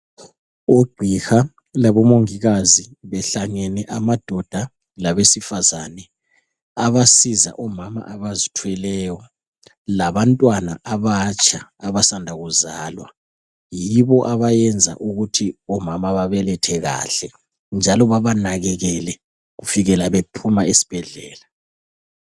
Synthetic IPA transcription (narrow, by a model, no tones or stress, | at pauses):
oɡ͡ǀʱixa | laβɔmoŋiɣaziβɛɬaŋɛnɛʔamad̥ʱɔd̥ʱa | laβesifazanɛ | aβasiza̰ʔɔmama̰ʔaβazitʰwɛlɛjɔ | laβantʼwanaʔaβat͡ʃʼʰaːβasandʱaɣuzaːlwa̰ | jiβɔʔaβajɛnd͡zʱa̰ʔuɣutʰiɔmamaβaβɛlɛtʰɛɣa̰ɬɛ | nd͡ʒʱalɔβaβanaɣɛɣɛlɛ | ɣufiɣɛlaβepʰumaesi̥b̥ʱɛɮɛːla